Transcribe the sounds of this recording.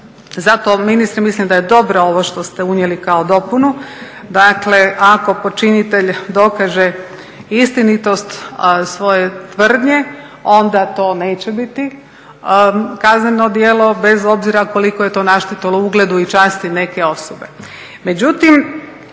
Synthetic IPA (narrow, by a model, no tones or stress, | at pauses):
zat̪ominist̪ɾimislimd̪ajed̪o̞bɾoo̞ʋoʃt̪o̞st̪eunjelikaod̪o̞punu | d̪akle̞ako̞po̞t͡ʃinit̪e̞ʎd̪o̞kaʒe̞ | ist̪init̪o̞st̪sʋo̞je̞t̪ʋr̩d̪ɲe̞ | o̞nd̪at̪o̞ːne̞ːt͡ɕe̞bit̪i | kazneno̞d̪jeːlo̞be̞zo̞bziɾako̞liko̞jet̪o̞ːnaʃt̪it̪ilouɡled̪uit͡ʃaːst̪ine̞ke̞o̞sobe̞ | med͡ʑut̪im